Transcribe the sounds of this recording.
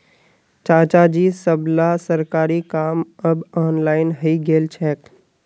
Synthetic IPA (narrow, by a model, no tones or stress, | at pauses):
t͡ʃãːt͡ʃad͡ʒiːsəblasəɾkaːɾikaːmɐbɔːnlaːɪnɦəiɡeːlt͡ʃʰɛːk